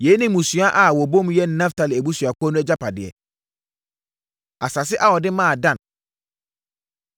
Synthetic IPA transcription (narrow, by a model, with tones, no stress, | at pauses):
je˨˦nɪ̃˦mũ˨sɥa˦ʔa˨wɔ˨bõ˦m˦jɛ˦˨˦nã˦fta˨lɪ˨æ˨bu˦sɥa˨kɔ˦nʊ̃˦ɛ˦d͡ʑa˦pʰa˨dɪ˨ɛ̰˨ | a˨sa˨sɪ˦ʔa˦wɔ˨dɪ˦mã˦˨dã˦˨n